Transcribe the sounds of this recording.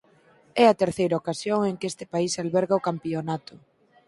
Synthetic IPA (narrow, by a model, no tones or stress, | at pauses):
ɛɐt̪eɾθejɾɐokasjoŋeŋkɪest̪ɪpaisalβɛɾɣɐokampionat̪ʊ